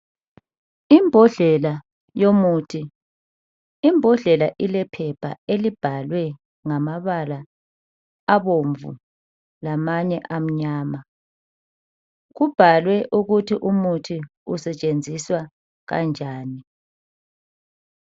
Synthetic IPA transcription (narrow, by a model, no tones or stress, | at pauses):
imbʱɔɮɛla | jomuːtʰi | mbʱɔɮɛlaʔilɛpʰɛpʰa̰elib̥ʱalwɛ | ŋamaβalaː | βoɱvṵ | lamaɲɛʔam̩ɲaːma | ɣub̥ʱalwɛʔuɣutʰiʔumutʰi | usɛt͡ʃʼend͡zʱiswa | ɣa̰nd͡ʒʱaːni